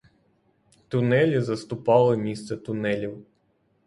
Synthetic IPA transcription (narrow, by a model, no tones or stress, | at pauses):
t̪ʊnɛlʲizɐst̪ʊpɑlˠɪmʲist̪sɛt̪ʊnɛlʲiw